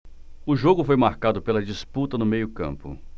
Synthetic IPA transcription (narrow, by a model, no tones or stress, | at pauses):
ʊʒoɡʊfojmaɾkad̪ʊpelɐd͡ʒisput̪ɐnʊmejʊkɐ̰̃mpʊ̰